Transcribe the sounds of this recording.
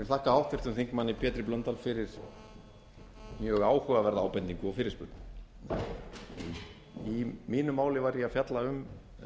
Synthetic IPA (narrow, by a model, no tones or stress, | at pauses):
ɛθahkahawht̪vɪrt̪ʏmθeŋkmanːɪpʰjɛːt̪ɾɪplœnt̪alfɪɾɪɾ̥ | mjœːɣaːwhʏvavɛɾðaaːwpɛnt̪iŋkʏɔfɪɾɪ̥spʏɾt̪n | i | imiːnʏmːaːwlɪvajɾjɛafjat̪laʏm